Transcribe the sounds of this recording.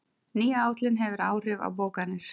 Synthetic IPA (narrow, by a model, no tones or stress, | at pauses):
niːaaːwt̪lɪnɦɛvʏɾaːwr̥ʏva̰wpoːwkanːɪɾ̥